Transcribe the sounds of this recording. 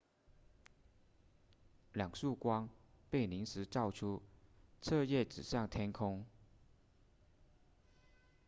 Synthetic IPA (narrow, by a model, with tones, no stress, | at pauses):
ljɑ˨˩ŋʂu˥˩kwɑ˥ŋ | pe˥˩ɪni˧˥ŋʂɻ̩˧˥ʈ͡ʂɑ˥˩ʊʈ͡ʂʰu˥t͡sʰɤ˥˧jɛ˥˩ʈ͡ʂɻ̩˨˩ɕjɑ˥˩ŋt̪ʰjɛ˥nkʰʊ˥ŋ